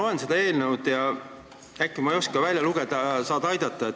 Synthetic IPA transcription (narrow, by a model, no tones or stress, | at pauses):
o̞le̞nse̞d̪ɑe̞ːlnenud̪̥jɑ | ækːimɑejo̞skɑvælʲjɑluɡ̥ed̪̥ɑɑsɑːd̪ɑjd̪̥ɑt̪ːˑɑet̪